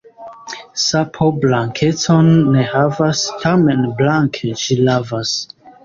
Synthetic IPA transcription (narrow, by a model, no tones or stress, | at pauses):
sapʰoblaŋkʰeto̞nːehavastʰamenblaŋkʰeʃilavas